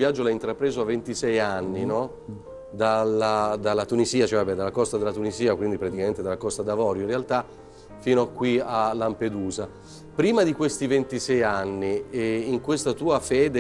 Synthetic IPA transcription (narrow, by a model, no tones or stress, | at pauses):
vjad͡ʒːolajint̪ɾapɾeːzoavːent̪isɛjanːinɔ | d̪alad̪alːat̪uniziːat͡ʃɛvabɛd̪alːakɔst̪ad̪elat̪uniziːakwind̪ipɾat̪ikament̪ed̪alːakɔst̪ad̪avɔːɾjoinrealt̪a | fiːnoakːwialːamped̪uːza | pɾiːmad̪ikwest̪ivent̪isɛjanːiːŋkwest̪at̪uːafɛːd̪e